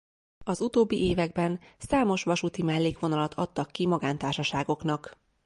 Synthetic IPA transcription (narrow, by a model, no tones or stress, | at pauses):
ɒzut̪oːbːiʔeːvɛɡbɛnsaːmo̞ʃʋɒʃut̪imɛlːeːkʋo̞nɒlɒt̪ʰɒt̪ːɒkːimɒɡaːnt̪aːrʃɒʃaːɡo̞knɒk